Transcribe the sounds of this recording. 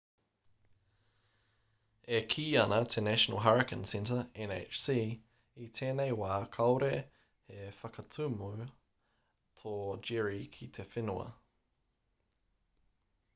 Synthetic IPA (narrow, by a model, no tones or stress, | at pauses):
ekʰiːɐnɐt̪ʰenæʃənə̰lɦaɹəkʰə̃nsɛ̃ntəɛnḛt͡ʃsiː | it̪ʰeːnejwaːkʰɐwɾe | hefɐkɐtʰʉmu | t̪ʰoːd͡ʒɪɹikʰit̪ʰefɪnuɐ̰